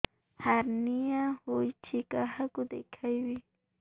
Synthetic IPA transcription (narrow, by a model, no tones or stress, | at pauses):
haɾniahʊjt͡ʃɪkahakʊd̪ekʰajwɪ